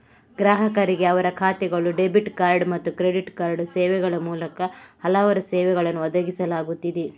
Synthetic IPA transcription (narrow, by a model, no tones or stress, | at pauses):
ɡɾaːɦɐkɐɾiɡeɐʋɐɾɐkʰaːt̪ɛɡɐɭuɖe̞biʈkaːɾɖmɐt̪ːukɾe̞ɖiʈkaːɾɖsɛːʋɛɡɐɭɐmuːlɐkɐhɐlaʋɐɾɐsɛːʋɛɡɐɭɐnːuɔd̪ɐɡisɐlaːɡut̪ːid̪e